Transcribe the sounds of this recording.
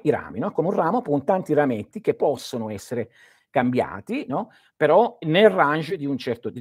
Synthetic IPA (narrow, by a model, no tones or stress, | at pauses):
iɾa̰ːminɔkomeunraːmopunt̪ant̪iɾamet̪ːik̟epːɔsːonoɛsːeɾe | kambja̰ːt̪inɔ | peɾɔnelrand͡ʒed̪iunt͡ʃɛrt̪o